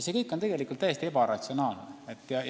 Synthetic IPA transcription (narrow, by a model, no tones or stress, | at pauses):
se̞kɤjkːˑont̪eɡelikult̪ːæjest̪ie̞bɑɾɑt̪sionɑːlneet̪ːˑjɑ